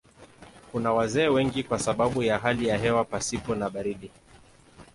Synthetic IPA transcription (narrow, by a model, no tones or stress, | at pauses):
kunawazɛːwɛŋɡikwasaɓaɓujaɦalijaɦɛwapasipɔnaɓaɾiɗi